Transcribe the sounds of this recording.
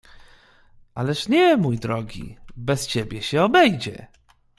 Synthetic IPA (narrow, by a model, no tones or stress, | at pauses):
ʔalɛʂɲɛmujd̪ɾɔɡʲḭbɛst͡ɕebʲjɛɕɛɔbɛjd͡ʑɛ̰